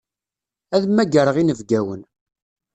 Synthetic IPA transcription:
æðmːæɡəɾəʁinəvɡæwən

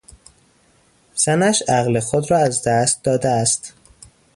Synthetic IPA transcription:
z̥ænæʃæɣlexod̪ɾɒːæzd̪æst̪̚d̪ɒːd̪eæst̪

